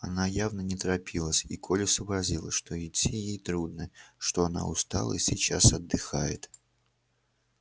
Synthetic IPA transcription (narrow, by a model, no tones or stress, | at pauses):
ɐnajavnənʲɪt̪ɾɐpʲilˠəsʲikʰolʲɪsəbɾɐzʲilˠəʂt̪oɪtʲːijejt̪ɾud̪̚nɨʂt̪o̞ɐna̰ʊst̪a̰lˠə̰sʲɪt͡ɕasɐd̪ːɨxajɪt̪